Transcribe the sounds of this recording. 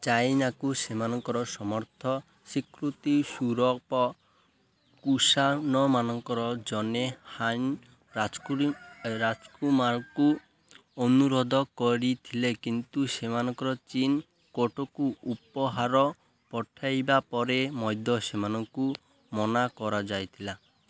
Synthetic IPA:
t͡ʃajnakusemanɔŋkɔɾɔsɔmɔɾt̪ʰɔ | sikɾut̪isuɾɔpɔ | kusanɔmanɔŋkɔɾɔd͡ʒɔnehan | a | ɾad͡ʒkumaɾku | ɔnuɾod̪ʱɔkɔɾit̪ʰilekint̪usemanɔŋkɔɾɔt͡ʃin | koʈɔkuupɔɦaɾɔ | pɔʈʰajbapɔɾemɔjd̪ʱɔsemanɔŋku | mɔnakɔɾad͡ʒajt̪ʰila

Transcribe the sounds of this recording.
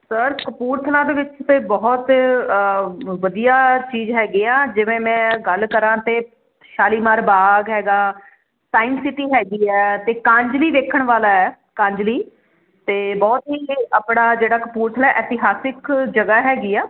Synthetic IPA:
səɾkəpuːɾt̪ʰəlãːd̪eːʋɪt͡ʃt̪eːbɔːt̪ | ʋəd̪ijaːt͡ʃiːzɦɛːɡeːãːd͡ʒɪʋẽːmɛ̃ːɡəlkəɾãːt̪eː | ʃaːliːmaːɾbaːɡɦɛːɡaː | saːɪnsɪʈiːɦɛːɡiːɛːt̪eːkãːɲd͡ʒliːʋeːkʰəɳʋaːlaːɛː | kãːd͡ʒliː | t̪eːbɔːt̪ɦiːaːpɳaːd͡ʒeːɽaːkəpuːɾt̪ʰəlɛːʔɛːt̪ɪɦaːsɪkd͡ʒəɡaːɦɛːɡiːɛː

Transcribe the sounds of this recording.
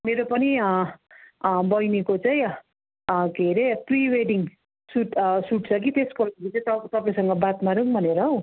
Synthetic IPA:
meɾopʌni | bʌjnikot͡saĩ | ɡʱeɾepriweɖiŋ | suʈsuʈ̚t͡sʰʌk̬it̪eskʌɾit͡saj̃t̪ʌt̪ʌpaĩsʌŋɡʌbat̪maɾɯŋbʱʌneɾʌɦow

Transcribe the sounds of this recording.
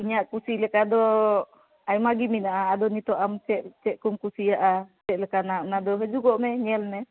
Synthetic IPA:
uɲaʔkusilɛkad̪ɔ | ajmaɡiminaʔaːd̪ɔnit̪ɔʔamt͡ʃɛʔ̚t͡ʃɛʔ̪̚kumkusijaʔa | ɛt̪̚lɛkanaʔnad̪ɔɦɛd͡ʒuɡɔʔmɛɲɛlmɛ

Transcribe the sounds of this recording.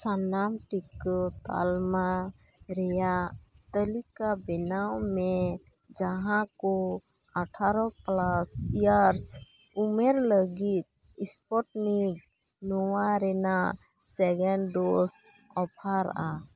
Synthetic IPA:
sanamʈikːɔt̪a̰lmaɾɛjat̪əlikabinawmed͡ʒəɦãkoəʈʰaɾɔklasjəɾsumeɾləɡit̪̚ispɔʈniɡnɔwaɾɛnasɛɡɛɳɖosɔpʰaɾ̰a

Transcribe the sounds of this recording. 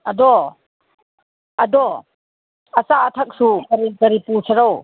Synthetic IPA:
ɐd̪ɔ | ɐdɔ | ɐsaːt̪ʰak̚sukɐɾikɐɾipusaɾɔw

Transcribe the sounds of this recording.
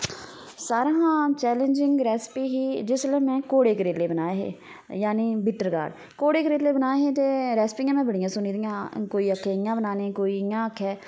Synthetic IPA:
saːɾãːɦãːt͡ʃɛːlẽnd͡ʒɪ̃ŋɡɾɛːspiːɦiːd͡ʒɪslẽːmɛ̃ːkoːɽeːkɾeːleːbənaːeɦḛː | jaːniːbɪʈəɾɡa̰ːɖ | koːɽeːkəɾeːleːbənaːeɦeːt̪eːɾɛːspɪ̃ŋɡɛ̃ːmɛ̃ːbəɽɪjãːsʊniːd̪ɪjãːkoːiːəkʰːɛːɪjãːbənaːneːkoːiːɪjãːəkʰːɛː

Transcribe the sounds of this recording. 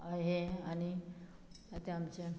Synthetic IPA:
əɦeañi | at̪eamt͡ɕe

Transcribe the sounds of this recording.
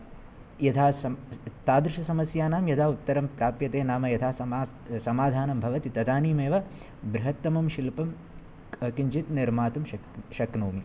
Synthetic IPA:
jɐt̪ʰaːst̪aːd̪ɾuʂɐsɐmɐsjaːnaːmjɐt̪ʰaːut̪ːɐɾɐmpɾaːpjɐt̪eːnaːmɐjɐt̪ʰaːɐː | sɐmaːd̪ʱaːnɐmbʱɐʋɐt̪it̪ɐd̪aːniːmeːʋɐ | bɾɐɦɐt̪ːɐmɐmʃilpɐm | ɐkiɲd͡ʒit̪niɾmaːt̪umʃɐʃɐknoːmi

